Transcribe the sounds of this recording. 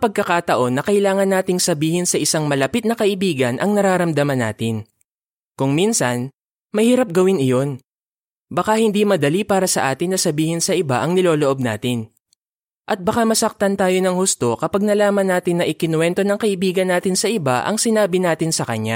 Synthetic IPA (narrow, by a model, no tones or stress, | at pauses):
pɐɡ̚kɐkaːt̪ɐʔo̞nːɐkɐʔɪlaːŋɐnːaːt̪ɪŋsɐbiːhɪnsɐʔɪsaŋmɐlɐpit̪̚nɐkɐʔɪbiːɡɐnʔɐŋnɐɾaːɾɐmd̪ɐmɐnːaːt̪ɪn | kʊŋminsɐn | mɐjhiɾap̚ɡɐwɪnɪjo̞n | bɐkahɪnd̪imɐd̪ɐlipaːɾɐsɐʔaːt̪ɪnːɐsɐbiːhɪnsɐʔɪba̰ʔɐŋnɪloːloʔo̞b̚na̰ːt̪ɪn | ʔɐt̪̚bɐkamɐsɐk̚t̪ɐnt̪aːjo̞nɐŋhust̪o̞kɐpaɡ̚nɐlaːmɐnːaːt̪ɪnːɐʔɪkɪnwɛnt̪o̞nɐŋkɐʔɪbiːɡɐnːaːt̪ɪnsɐʔɪba̰ʔɐ̰ŋsɪnaːbɪnaːt̪ɪnsɐkɐɲːa